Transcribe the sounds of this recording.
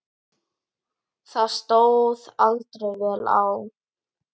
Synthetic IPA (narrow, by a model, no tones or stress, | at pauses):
θaðst̪oːwðalt̪ɾejvɛːla̰w